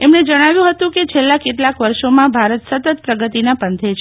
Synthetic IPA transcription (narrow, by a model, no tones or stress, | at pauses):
emɳed͡ʒəɽ̃aʋjũɦət̪ũket͡ʃʰelːakeʈlakʋəɾʃomãbʱaɾət̪sət̪ət̪̚pɾəɡət̪inapənt̪ʰet͡ʃʰe